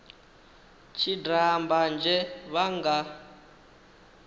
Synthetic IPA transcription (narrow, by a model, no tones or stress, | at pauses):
t͡ʃʰidamband͡ʒʱɛβaŋɡa